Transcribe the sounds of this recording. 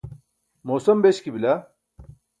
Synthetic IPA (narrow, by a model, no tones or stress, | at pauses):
moːsɐmbeɕkibilɐ